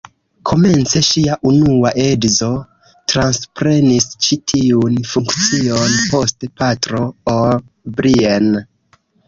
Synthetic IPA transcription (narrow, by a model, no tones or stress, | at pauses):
kʰo̞me̞nt͡se̞ʃiaʔunuaʔedzo̞ | tɾanspɾe̞nist͡ʃitʰiunfuŋkt͡sionpo̞stepatɾo̞o | bɾien